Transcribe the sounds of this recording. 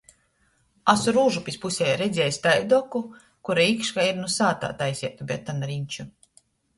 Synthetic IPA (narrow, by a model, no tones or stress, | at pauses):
asuɾuːʒupispusʲɛjɾed̪zʲɛːjsʲt̪ajd̪ɔku | kuɾaikʃkaiɾnusaːt̪a̰ːt̪ajsʲiɛt̪ubʲɛt̪ːanaɾiɲʲt͡ʃu